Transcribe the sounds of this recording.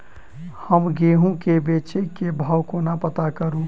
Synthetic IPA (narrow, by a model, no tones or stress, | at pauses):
həmɡeɦũkebet͡ʃekebʱawkonapət̪akəɾũ